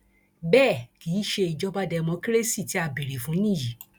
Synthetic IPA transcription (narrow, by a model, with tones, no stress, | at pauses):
bɛː˦˨ki˨˦ʃe˧i˨d͡ʒɔ˦ba˦dɛ˧mɔ̃˧ki˦ɾe˦si˦˨ti˨˦a˧bi˨ɾi˨fũ˨˦nĩ˦˨ji˨˦